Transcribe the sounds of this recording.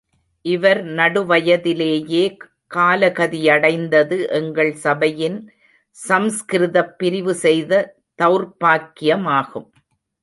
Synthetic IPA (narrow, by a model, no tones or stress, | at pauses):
ʔɪʋɐɾnɐɽɯʋɐjɐðɪleːjeː | kaːlɐɣɐðɪjɐɽɐɪnd̪ɐðɯʔɛŋɡɐɭsɐbɐjɪn | sɐmskɪɾɪðɐpːɪɾɪʋɯsɛjðɐ | t̪ɐʋɾpaːkːɪjɐmaːɣɯm